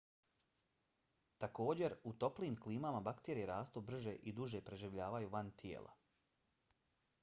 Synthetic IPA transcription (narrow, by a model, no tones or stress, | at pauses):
t̪ako̞ːd͡ʑeɾut̪o̞pliːmkliːmamabakt̪eːɾijeɾaːst̪obr̩ʒeʔid̪uʒepɾe̞ʒiʋʎaːʋajuʋant̪jḛːlʔa̰